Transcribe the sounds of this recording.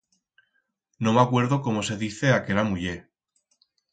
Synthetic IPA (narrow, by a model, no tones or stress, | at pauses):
no̞makwe̞ɾðoko̞mo̞se̞ðiθe̞akelamuʝe